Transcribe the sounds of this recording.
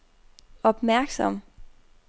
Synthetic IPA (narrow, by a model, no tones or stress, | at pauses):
ɒ̽b̥mæɐɡ̥sɒm